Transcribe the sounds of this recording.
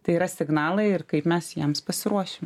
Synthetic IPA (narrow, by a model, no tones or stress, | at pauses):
t̪ɐɪiːɾɐsʲɪɡnɑːlˠɐɪɪrkɐɪpmʲɛsjiɛmspɐsʲɪɾuɔʃʲɪm